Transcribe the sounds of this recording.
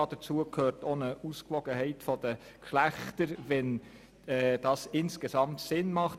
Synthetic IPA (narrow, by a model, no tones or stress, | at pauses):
ɑd̥̪ət͡suəkʰhøːɾtonəuskʋɔɡ̥əɦɛɪtfɔd̥̪ə | kʃlæχtəɾʋɛn | ɛːd̥ɑːsɪnskesɑmtsɪnmɑχt